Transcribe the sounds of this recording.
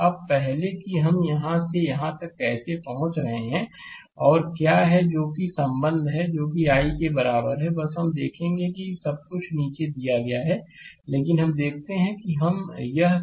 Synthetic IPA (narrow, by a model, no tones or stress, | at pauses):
ɐb̚pɛɦlekiɦɐmjɐɦãsejɐɦãt̪ɐkːɛːsepɐɦʊ̃t͡ʃɾɐɦeɦɛ̃ | ɔːɾkjaːɦɛd͡ʒoːkisɐ̃mbə̃nd̪ʱɦɛd͡ʒoːkiaːikebɐɾaːbəɾɦɛbɐsɦɐmd̪eːkʰẽːŋɡekisɐb̚kʊt͡ʃʰniːt͡ʃed̪ijaɡɐjaɦɛ | leːkɪnɦɐmd̪eːk̚ʰt̪eɦɛ̃kiɦɐmjɐɦ